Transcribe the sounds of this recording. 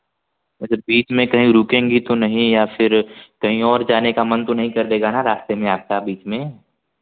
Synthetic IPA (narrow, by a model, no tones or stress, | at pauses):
ɐɡəɾbiːt͡ʃmẽkɐɦĩɾuːkẽːŋɡit̪onɐɦĩjafʰɪɾkɐɦĩɔːɾd͡ʒaːnekamɐ̃nt̪onɐɦĩkɐɾd̪eːɡanaɾaːst̪emẽaːp̚kabiːt͡ʃmẽ